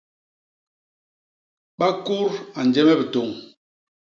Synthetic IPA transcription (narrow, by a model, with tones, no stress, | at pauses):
ɓa˦ku˦ɾa˨n˨d͡ʒɛ˦mɛ˦bə˨to˨ŋ